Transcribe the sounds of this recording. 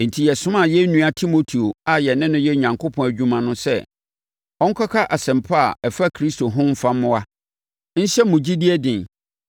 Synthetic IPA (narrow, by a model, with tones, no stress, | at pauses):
n̩˨tʰi˨jɛ˨sʊ̃˦mã˦˨jɛ˦nũ˨˦a˦tʰi˦mo˨tʰi˨o˨a˨jɛ˨nɪ̃˦nʊ̃˦jɛ˦ɲã˨ŋkʰʊ˦pʰɔ̃˨æ˨d͡ʑᶣu˦mã˨nʊ̃˦sɛ̰˦ | ɔ̃˦ŋ̩˦kʰa˦kʰa˦ʔa˨sɛ̃˨mpʰa˦a˨ɛ˨fa˦kʰɾi˦sto˨ɦʊ̃˦m̩˦fã˦mː˦ʊ̃˦a˦ | n̩˦ɕɛ˦mʊ̃˨d͡ʑi˦di˦ɛ˦dɪ̃˨n